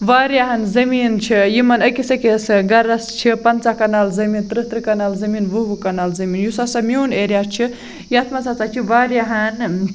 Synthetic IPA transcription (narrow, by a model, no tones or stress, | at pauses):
ʋaːɾjaɦɐnzɐmiːnt͡ʃʰijimɐnɐkisɐkesɨɡɐɾɐst͡ʃʰipɐnt͡sakɐnaːlzɐmiːnt̪ɾɨt̪ɾɨkɐnaːlzɐmiːnʋɨʋukɐnaːlzɐmiːnjusasɐmoːneːɾʲjat͡ʃʰi | jiɐt̪ʰmat͡sat͡sat͡ʃʰiʋaːɾjaɦɐn